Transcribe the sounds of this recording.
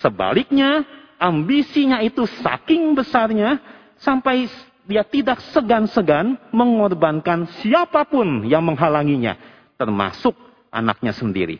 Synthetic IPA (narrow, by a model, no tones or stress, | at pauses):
səba̰lɪk̚ɲaʔambisiɲait̪usa̰kɪŋbəsarɲa | sampaj | diat̪idak̚səɡansəɡanməŋɔrbankansiapapʊnjaŋməŋɦalaŋiɲa̰ | t̪ərma̰sʊk̚ | ʔa̰na̰k̚ɲasəndḭɾḭ